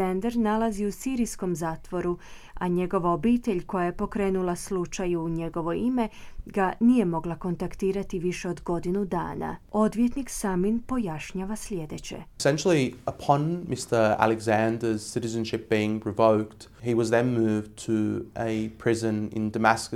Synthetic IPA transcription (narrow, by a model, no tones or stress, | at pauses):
and̪eɾnalˠaziusiːɾisko̞mzaːt̪ʋo̞ɾu | aɲe̞ɡo̞ʋaobiːt̪e̞ʎko̞jaje̞po̞kɾe̞ːnulaslut͡ʃajuːɲe̞ɡo̞ʋo̞ime̞ɡanije̞mo̞ɡlˠako̞nt̪akt̪iːɾat̪iʋiʃe̞o̞d̪ɡo̞d̪inud̪a̰ːna̰o̞d̪ʋjet̪niksaminpo̞jaʃɲaːʋasʎʲe̞d̪e̞t͡ɕe̞̰sɛ̃nʃl̩ˠiəpʰɒ̃nmɪstə˞æ̰lˠɪɡzæ̃ndəz̥sɪɾɪzə̃nʃɪp̚b̥iɪ̃ŋpʰɹ̥əvoʊkthiwɒzðɨ̃nmʉːvtʰəəpʰɹ̥ɪzə̃nɪ̰̃ndəmæskə